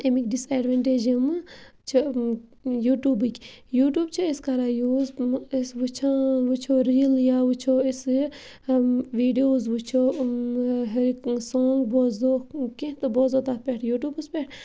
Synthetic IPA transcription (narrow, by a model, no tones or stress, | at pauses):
emikʲɖiseɖʋeɳʈeːd͡ʒɐmt͡ʃʰi | juːʈuːbɨkʲ | juːʈjuːbt͡ʃʰieskɐɾaːjuːzesʋut͡ʃʰãʋut͡ʃʰoːɾiljaːʋut͡ʃʰoːis | ʋiːɖioːzʋut͡ʃʰo | ɦɐɾisoːŋɡbozokĩt̪ɨboːzot̪at̪̚pʲeʈʰjuːʈjuːbɨspʲeʈʰ